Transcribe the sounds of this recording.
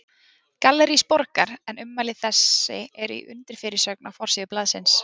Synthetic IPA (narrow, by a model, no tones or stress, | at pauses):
kalɛɾispɔɾkaɾɛnʏmːalɪθɛsːɪ̰ɛɾḭʔʏ̰nt̪ɪɾ̥fɪːɾɪ̥sœk̚nafɔɾ̥siːðʏplaːðsɪns